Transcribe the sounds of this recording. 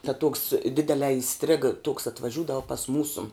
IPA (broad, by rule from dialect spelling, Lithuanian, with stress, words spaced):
tɐ tuɔks ˈdʲɪdʲɛlʲɛː ɪˈsʲtʲrʲɪɡɐ toːks ɐtʋɐˈʒʲuːdɐʋɐ pɐs ˈmuːsʊ